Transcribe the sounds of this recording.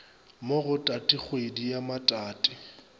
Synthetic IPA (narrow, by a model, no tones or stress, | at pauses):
moɣʊtʼatʼiχwedijamatʼaːtʼɪ